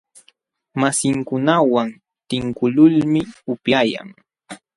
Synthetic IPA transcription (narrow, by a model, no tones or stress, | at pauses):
masɪŋkʊnawan | t̪ɪŋkʊlʊlmɪʊpjaja̰ŋ